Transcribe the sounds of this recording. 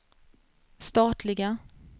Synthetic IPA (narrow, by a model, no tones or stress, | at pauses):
st̪ɑːt̪ʰlɪɡa